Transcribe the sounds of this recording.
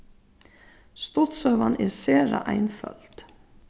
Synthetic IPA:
st̪ʊt̪sœːʋanɛɾseːɾaʔajnfœ̰lt̪

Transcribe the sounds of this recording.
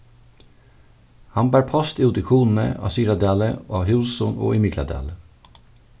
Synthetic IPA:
hɑnbæːɹpʰɔst̪iːʊd̪ɪkʰuːnn̩ə̰ɑ̰syːɾɑd̪æːləʔɑːhʉːsɔno̰ːʔɪmɪɡlɑ̰d̪æ̰ːlə

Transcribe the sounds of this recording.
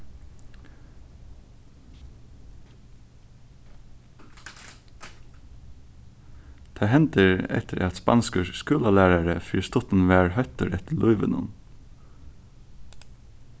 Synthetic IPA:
t̪ʰeːhɛnt̪əɹɛ̰t̪ʰəɾɑt̪spɑ̰nskəʃskʉːlɑlæːɾaɹəfḭːst̪ɔt̪n̩ʋæːɹhœt̪əɾɛt̪əlʊʏʋə̰nʊ̰n

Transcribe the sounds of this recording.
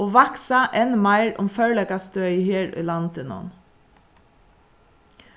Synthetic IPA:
oːʋɑksɑʔɛnmæɪɹʊ̰mfœɹɭɛkɑst̪œːheːɹʏ̰ːlɑnt̪ɪnɔ̰n

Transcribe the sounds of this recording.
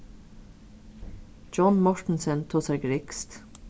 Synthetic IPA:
d͡ʒɔnmɔɹʈn̩sənt̪ʰoːsæɹɡɹɪkst̪

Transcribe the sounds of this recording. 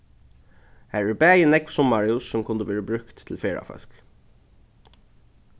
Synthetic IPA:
hæɹɪbæjənɛksɔmmɑɹɪʊsːɔmkʰʊnd̪əʋeːɹəbɾʉkt̪ʰːl̩feːɹɑ̰fœ̰sk

